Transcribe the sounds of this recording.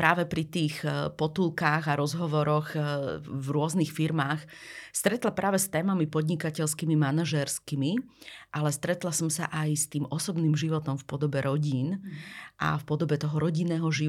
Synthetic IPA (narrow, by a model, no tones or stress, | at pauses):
pɾaːʋɛpɾit̪iːxpɔt̪ulˠkaːɣaɾɔzɦɔʋɔɾɔx | vɾʊɔznixfiɾmaːx | st̪ɾɛt̪lapɾaːʋɛst̪ɛːmamipɔd̪ɲikacɛʎskimimanaʒɛɾskimiʔalɛst̪ɾɛt̪lasɔmsa̰ʔajst̪iːmɔsɔbniːmʒiʋɔt̪ɔmfpɔd̪ɔbɛɾɔɟiːnʔa̰fpɔd̪ɔbɛt̪ɔɦɔɾɔɟinːɛːɦɔʒi